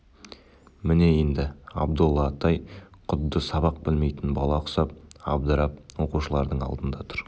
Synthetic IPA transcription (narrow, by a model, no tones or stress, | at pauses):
mɪne̞je̞nd̪ɪɑ̰bd̪ʊlˠːɑt̪ɑjqʰʊd̪ːəsɑβɑq̚bɪlme̞jt̪ɪnbɑlˠɑqʰʊ̥sɑp̚ɑ̰b̚d̪əɾɑp̚wo̞quʃəlˠɑɾd̪əɴɑ̰lˠd̪ənd̪ɑt̪ʰʊ̥ɾ